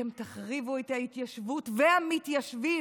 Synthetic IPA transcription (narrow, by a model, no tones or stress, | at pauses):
emt̪aχʁivuet̪hait̪jaʃvutveamit̪jaʃvi